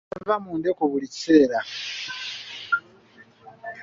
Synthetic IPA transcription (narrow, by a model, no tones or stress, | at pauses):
vamuːndekoβulici̥se̞ːɾa